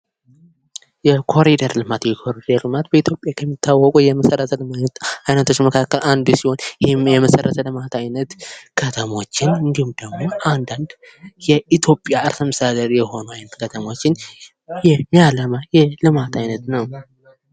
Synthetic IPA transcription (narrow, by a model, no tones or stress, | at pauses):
jɛkʰo̞ɾid̪əɾlɨmat̪jɛkʰo̞ɾid̪əɾlɨmat̪bəit̪ʰjo̞pʼjakʰəmːit̪ʰːawːɔkʼujɛməsərət̪ʰəlɨmaajnət̪ʰo̞t͡ʃːməkʰakːəlʔand̪usiho̞njɛməsərːət̪ʰəlɨmat̪ʰajnət̪kʰət̪ʰəmo̞t͡ʃːɪnɨnd̪ihumd̪̥əɡmo̞ʔand̪and̪ | jɛʔit̪ʰjo̞pʼjaɨɾsəməsad̪əɾjɛho̞noajnət̪kʰət̪ʰəmo̞t͡ʃːɪn | jɛmialəmajɛlɨmat̪ʰajnət̪nəw